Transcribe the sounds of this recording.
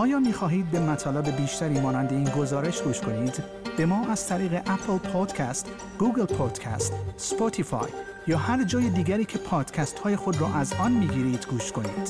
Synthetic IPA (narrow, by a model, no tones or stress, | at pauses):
ʔɒːjɒːmiːxɒːɦiːd̪̚be̞mæt̪ʰɒːlebe̞biːʃt̪æɾiːmɒːnænd̪e̞iːnɡo̞zɒːɾe̞ʃɡuːʃkʰo̞niːd̪ | b̥e̞mɒːʔæz̥t̪ʰæɾiːɣe̞ʔæpʰlpʰod̪̥cʰæst̪ | ɡ̥uːɡelpʰod̪̥cʰæ̰st̪spot̪ʰifɒ̰j | jɒːhæɾd͡ʒɒːjed̪iːɡæɾiːcʰe̞pʰɒːd̪̥cʰæst̪hɒːje̞xo̞d̪ɾɔːʔæzɒːnmiːɡiːɾiːd̪̥ɡuːʃkʰo̞niːd̪̥